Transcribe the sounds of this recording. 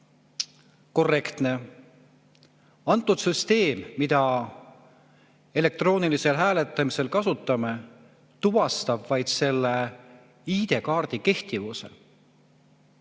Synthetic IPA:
ko̞rːe̞kt̪ne̞ | ɑnt̪ˑːud̪̥syst̪e̞ːmːid̪̥ɑ | e̞le̞k̚t̪ro̞ːnilise̞lɦæːlet̪ːˑɑmise̞lkɑsut̪ːˑɑme̞ | t̪uvɑst̪ɑbvɑjd̪̥se̞lːe | iːd̪̥e̞kɑːrd̪̥ike̞ht̪ivuse̞̰

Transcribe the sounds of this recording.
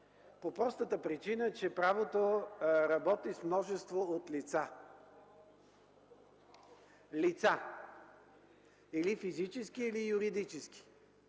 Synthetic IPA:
popɾɔst̪ət̪əpɾit͡ʃinət͡ʃɛpɾavot̪oɾɐbɔt̪ismnɔʒɛst̪voot̪lit̪sa | lit̪sa | ilifizit͡ʃɛskiːlijuɾid̪it͡ʃɛski̥

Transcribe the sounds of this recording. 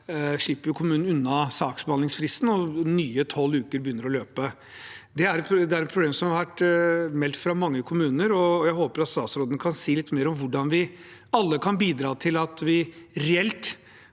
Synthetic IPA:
ʂiːpəɾjʊkʰʊmʉːnn̩ʉnːɑsɑːksbɑnɪŋsfɾɪst̪n̩ɔnyːət̪ʰɔlːʉːkəɾbəjʏnːəɾɔløːpə | d̪ɛæɾd̪ɛæɾɛnpʰɾʊbleːmsɔmhɑɾʋæʈmɛlt̪fɾɑmɑŋːəkʰʊmʉːnəɾɔjæɪɦoːpəɾɑt̪st̪ɑːt̪sɾoːd̪ənəkʰɑnsiːlɪt̪ːmeːɾɔmʋʊɖɑnʋɪ | ɑlːəkʰɑnbiːd̪ɾɑːt̪ʰɪlɑt̪ʋɪɾɛɛlt̪

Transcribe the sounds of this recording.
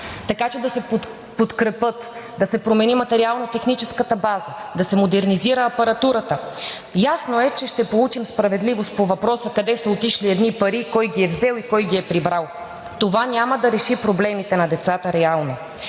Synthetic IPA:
t̪ɐkat͡ʃɛd̪ɐsɛ | pot̪kɾɛpɤt̪d̪ɐsɛpɾomɛnimɐt̪ɛɾialˠnot̪ɛxnit͡ʃɛskət̪əbazəd̪ɐsɛmod̪ɛɾniziɾəːpɐɾɐt̪uɾət̪ə | jasnoɛt͡ʃɛʃt̪ɛpolˠut͡ʃimspɾɐvɛd̪livost̪povɐpɾɔsəkɐd̪ɛsəot̪iʃliɛd̪nipɐɾikɔjɡʲiɛvzɛlˠikɔjɡiɛpɾibɾalˠ | t̪ovanʲaməd̪ɐɾɛʃipɾoblɛmit̪ɛnɐd̪ɛt̪sat̪əɾɛalˠno

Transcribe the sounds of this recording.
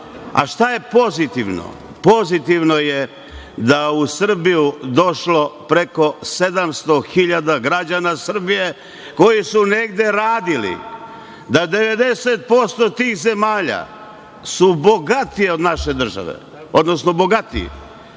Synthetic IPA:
a̰ʃt̪aje̞po̞zit̪iʋno̰ | po̞zit̪iʋno̞je | d̪ausr̩bijud̪o̞ʃlo̞pɾe̞ko̞se̞d̪amst̪o̞xiʎad̪aɡɾad͡ʒanasr̩bije̞ | ko̞jisune̞ɡd̪e̞ɾaːd̪ilḭ | d̪ad̪e̞ʋe̞d̪eset̪̚po̞st̪ot̪iːxze̞maːʎa̰ | suboɡat̪ijeod̪naʃe̞d̪r̩ʒa̰ʋḛ | o̞d̪nosnobo̞ɡat̪ḭ

